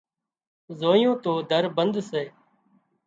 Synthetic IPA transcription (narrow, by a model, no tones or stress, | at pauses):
zoːijõːt̪oːd̪ʱəɾbənd̪seː